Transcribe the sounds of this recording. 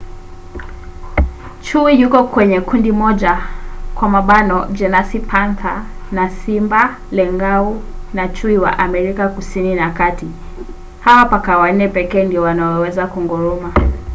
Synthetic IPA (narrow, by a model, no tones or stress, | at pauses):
t͡ʃuijukɔkwɛɲɛkundimɔʄakwamaɓanɔd͡ʒɛnasipʰanθanasimba | lɛŋɡaunat͡ʃuiwa̰ʔamɛɾikakusininakati | hawapakawan̩nɛpɛkɛːndiɔwanaɔwɛzakuŋɡɔɾɔma